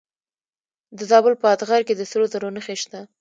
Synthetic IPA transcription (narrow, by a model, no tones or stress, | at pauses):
d̪əzɑbəlpəat̪ɣaɾked̪əsəlozaɾonəxeʃt̪a